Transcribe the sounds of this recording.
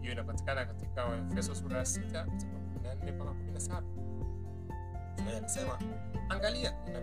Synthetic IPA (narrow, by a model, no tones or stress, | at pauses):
hijɔinapati̥kanakatikaɛfɛsɔsuɾaasitakatikakuminan̩hɛpakakumilnasaɓa | tunaanisɛma | aŋɡaliakuna